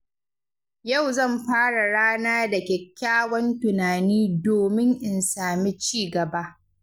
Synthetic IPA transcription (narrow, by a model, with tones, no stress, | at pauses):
ja˦˨wzɐ˦˨mɸaː˦ɽa˨ɽaː˦naː˦da˨kʲɛ˨kʲːaː˦wɐ˦ntʊ˨naː˨niː˦doː˨mɪ˦ŋʔɪ˨nsaː˨mi˦t͡ʃiː˦˨ɡɐ˨ba˦ʔ